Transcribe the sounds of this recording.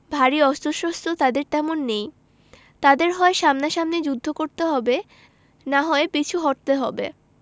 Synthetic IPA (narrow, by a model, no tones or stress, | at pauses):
bʱaɾiɔst̪oʃost̪ʰot̪ad̪eɾt̪ɛmonːej | t̪ad̪eɾɦɔeʃamnaʃamned͡ʑud̪ʱːokoɾt̪eɦɔbe | naɦɔepit͡ɕʰuɦɔʈ̚t̪eɦɔbḛ